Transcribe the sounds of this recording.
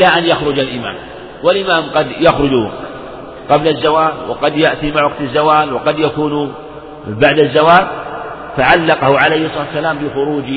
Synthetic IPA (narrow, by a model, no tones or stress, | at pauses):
ʔlaʔanjaxɾʊd͡ʒalʔɪma̰ːm | walʔɪmaːmqɑd̪jaxɾʊd͡ʒ | qɑblazːawaːlwɑ̰qɑd̪jaʔt̪imaʕwɑqt̪azːawaːlwɑqɑd̪jakuːn | baʕd̪azːawaːl | faʕalːɑqɑhʊʕalajhsˤːaːt̪sːalaːmbɪxʊɾuːd͡ʒ